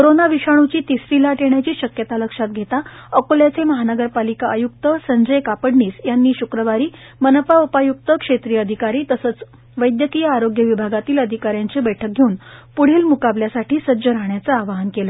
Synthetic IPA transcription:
koɾonaʋiɕaɽ̃ut͡ɕiːt̪isɾilaʈeɳjat͡ɕiːɕəkjət̪aləkʂat̪̚ɡʱet̪aəkoljat͡seməɦanəɡəɾpalikaʔəjuk̚t̪əsəɲd͡ʑəjkapəɽniːsjanːiːɕukɾəʋaɾiː | mənəpaupajuk̚t̪əkʂet̪ɾiːəd̪ʱikaɾiːt̪əsəːt͡s | ʋəjd̪jəkijəaɾoɡjəʋibʱaɡat̪iːləd̪ʱikaɾjant͡sebəjʈʰək̚ɡʱeuːnpuɽ̤iːlmukabljasaʈʰiːsəd͡ʑəɾaɦɳjat͡səaʋaɦənkelə

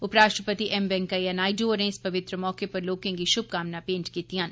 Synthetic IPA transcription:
ʊpɾaːʃʈɾəpət̪iʔɛmbɛ̃ŋkaianaːiɖoːɾẽɪspɐʋɪt̪ɾəmɔːkepɐɾloːkẽɡiʃʊb̚kaːmnapẽːɳʈkit̪ijãːn

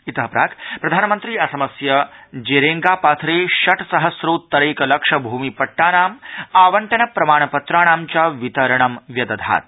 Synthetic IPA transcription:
it̪ɐɦɐpɾa̰ːkpɾɐd̪ʱaːnɐmɐnt̪ɾiːɐsɐmɐsjɐd͡ʒeːɾeːŋɡaːpaːt̪ʰɾeːʃɐʈʰsɐɦɐsɾoːt̪ːɐɾeːkɐlɐkʂɐbʱuːmipɐʈːaːnaːmaːʋɐɳʈɐnɐpɾɐmaːɳ̃ɐpɐt̪ɾaːɽ̃aːmt͡ʃaʋit̪ɐɾɐɳɐmʋjɐd̪ɐd̪ʱa̰ːt̪̚

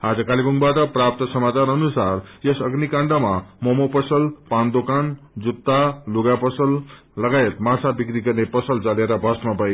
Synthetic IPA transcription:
ɦad͡zʌkalibuŋbaʈʌprap̚t̪ʌsʌmat͡sanʌnusarjʌsʌɡnikaɳɖʌmamʌmopʌsʌlpand̪okan | d͡zut̪ːaluɡapʌsʌlː | ʌɡajet̪mãsʰabikɾiɡʌrnepʌsʌlt͡saleɾʌbʱʌsmapʌj

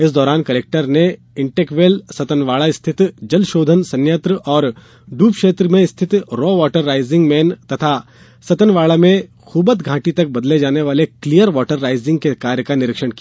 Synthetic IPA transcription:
ɪsd̪ɔːɾaːnkɐleːk̚ʈəɾne | ɪ̃ɳʈeːkʋeːlsɐt̪ənʋaːɭaɪst̪ʰɪt̪d͡ʒɐlʃoːd̪ʱənsɐ̃njət̪ɾəʔɔːɾ | ɖuːpkʃeːt̪ɾəmẽɪst̪ʰɪt̪ɾɔːʋɔːʈəɾːaːɪzɪ̃ŋɡmɛːnt̪ɐt̪ʰa | sɐt̪ənʋaːɭamẽ | xʰuːbət̪ɡʱãːʈit̪ɐk̚bɐd̪led͡ʒaːneʋaːleklijəɾʋɔːʈəɾːaːɪzɪ̃ŋɡ̚kekaːɾjəkanɪɾɪkʃəɽki

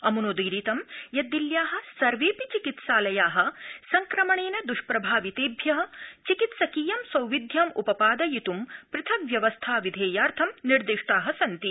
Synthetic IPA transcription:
ɐmunoːd̪iːɾiːt̪ɐmjɐd̪ːiljaːɦɐ̆sɐɾʋeːpit͡ʃikit̪saːlɐjaːɦɐ̆sɐŋkɾɐmɐɳeːnɐd̪uʂpɾɐbʱaːʋit̪eːbʱjɐɦɐ̆t͡ʃikit̪sɐkiːjɐmsɐwʋid̪ʱjaːmupɐpaːd̪ɐjit̪umpɾɪt̪ʰɐmʋjɐʋɐst̪ʰaːʋid̪ʱeːjaːɾt̪ʰɐmniɾd̪iʂʈaːɦɐsɐnt̪i

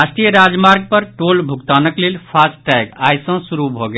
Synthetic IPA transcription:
asʈɾijəɾad͡ʒmaɾɡ̚pəɾʈolbʱuɡt̪anəklelpʰasʈʈɛjɡajsɔ̃suɾubʱoɡe

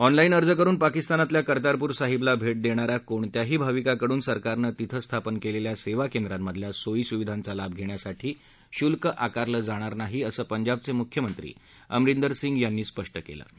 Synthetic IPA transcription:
ɔnlainəɾd͡zəkəɾuːnpakist̪anat̪ljakəɾt̪aɾpuːɾsaɦiblabʱeʈ̚d̪eɽ̃aɾakoɳt̪jaɦiːbʱaʋikakəɽuːnsəɾkaɾnəːt̪it̪ʰəst̪ʰapənkeleljaseʋakend̪ɾamːəd̪ʱljasoiːsuʋid̪ʱant͡salab̚ɡʱeɳ̃jasaʈʰiː | ɕulkəʔakaɾləːd͡zaɽ̃aɾnaɦiːəsəːpəɲd͡ʑab̚t͡semukʰjəmənt̪ɾḭː | ə̰mɾind̪əɾsiŋɡjanːiːspəʂʈəkḛlə̰ː

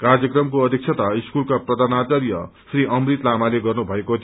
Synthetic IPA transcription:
karjʌkrʌmkoʌd̪ʱik̚sʰʌt̪aiskulkaprʌd̪ʱanat͡ʃʌɾjʌ̰sriʔʌmrit̪lamaleɡʌrnubʱʌekot̪ʰ

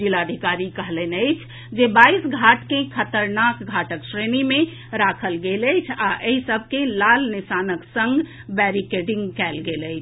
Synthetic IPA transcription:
ilad̪ʱikaɾikəɦlənəɪt͡ʃʰ | d͡ʒebaisɡʱaʈkẽkʰət̪əɾnakɡʱaʈəksɾenimẽ | ɾakʰəlɡeləjt͡ʃʰaʔeɦisəbʱkẽlalnisanəksə̃ŋɡ | bɛɾikeɖiŋɡkɛlɡeləɪt͡ʃʰ

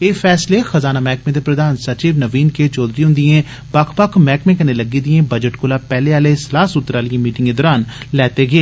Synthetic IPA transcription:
eːfʰɛːsleːxəzaːnaːmɛːkmẽːd̪eːpɾəd̪aːnsət͡ʃiːʋnəʋiːnkeːt͡ʃɔːd̪ɾiːɦʊ̃nd̪iẽː | bakʰpəkʰmɛːkmẽːkəneːləɡiːd̪iẽːbəd͡ʒəʈkʊlaːpɛːleːaːleːslaːsʊt̪ːɾaːlɪjẽːmiːʈɪ̃ŋɡeːd̪ɔːɾaːnlɛːt̪eːɡeeː

